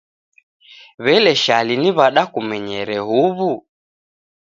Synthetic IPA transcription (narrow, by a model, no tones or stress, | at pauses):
βɛlɛʃaliniβaɗakumɛɲɛɾɛɦuβu